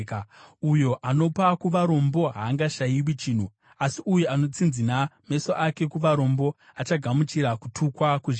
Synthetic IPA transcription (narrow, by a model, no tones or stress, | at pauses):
kujo̞ʔano̞pakuʋaɾo̞mbo̞ɦaːŋɡaʃajiwit͡ʃiːn̤u | asiʔujoano̞t͡sinziname̞soʔake̞kuʋaɾo̞mbo̞ | at͡ʃaɡʱamut͡ʃiɾakutʰukwakuʒ